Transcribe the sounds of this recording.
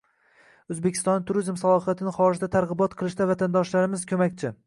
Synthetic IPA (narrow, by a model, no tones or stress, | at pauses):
ɵzbekʲʰɪst̪ɒnːɪt̪ʰʊɾizmsalˠɒfat̪ʰɪnɪχɒɾɪʒd̪at̪ʰaɾʁɨbɒt̪qʰɨlˠɪʃd̪avat̪ʰand̪ɒʃlaɾɪmɪz̥kʲʰɵmakʲt͡ʃʰɪ